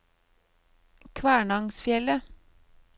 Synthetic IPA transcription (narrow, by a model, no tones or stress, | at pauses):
kʰʋæːɳɑŋsfjɛlə